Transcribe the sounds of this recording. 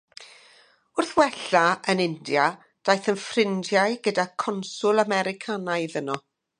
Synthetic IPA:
ʊrθwɛɬaənɪndja | d̥ajθənfrɪndjaɨɡədakʰɔnsʊlˠamɛɾɪkʰanaɨðənɔ

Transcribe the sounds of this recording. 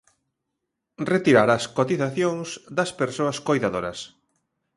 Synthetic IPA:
ret̪iɾaɾɐskot̪iθaθjoŋsd̪ɐspeɾsoɐskojðaðoɾɐs

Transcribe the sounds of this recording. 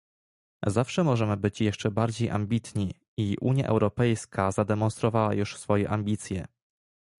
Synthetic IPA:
zafʂɛmɔʐɛmɘbɘt͡ɕjɛʂt͡ʂɛbaɾd͡ʑejʔa̰mbʲit̪ɲi | iʔṵɲja̰ʔɛ̰wɾɔpɛjskʰazad̪ɛmɔnst̪ɾɔvawajuʂsfɔjɛʔamʲbʲit̪sʲjɛ̰

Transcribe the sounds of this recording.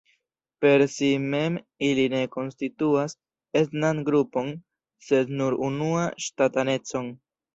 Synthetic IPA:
pe̞ɾsime̞m | iline̞ko̞nstituas | e̞tnanɡɾupo̞n | se̞dnuɾunuaʃtatane̞t͡so̞n

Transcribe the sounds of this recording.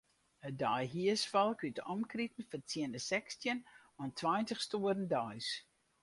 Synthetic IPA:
ədɔjɦiəsfɔlˠkytɔmkritən̩fərtʰjiəndəsɛkstjənɔntʰʋajntəxstuərən̩dœjs

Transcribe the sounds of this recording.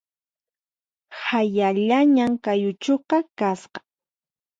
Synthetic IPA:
hajaʎaɲaŋkajʊt͡ʃoqɑkasqɑ̥

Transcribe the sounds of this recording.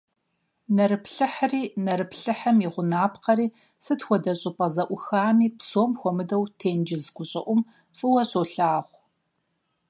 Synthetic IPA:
nɐɾɨpʰɬɨħriːnɐɾɨpʰɬɨħɐmjɪʁʷʊnaːpqɐɾiː | sɨtxʷɔdɐɕʼɪpʼɐzɐʔʷʊxaːmiːpsoːmxʷɔmɨdɐwtʰeːnd͡ʒɪzɡʷʊɕʼɪ̰ʔʷʊm | fʼɨwɐɕoɬaːʁʷ

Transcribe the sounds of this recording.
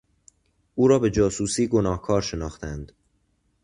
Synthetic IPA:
ʔuːɾɒːbe̞d͡ʒɒːsuːsiːɡo̞nɒːhkʰɒːɾʃe̞nɒːxt̪ænd̪

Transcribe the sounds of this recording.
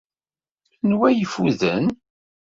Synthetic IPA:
nwæjəfuðən

